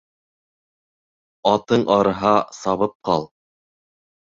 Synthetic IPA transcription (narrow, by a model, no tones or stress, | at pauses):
ɑt̪ɤɴʔɑɾɤ̆ɦɑsɑβɤp̚qɑlˠ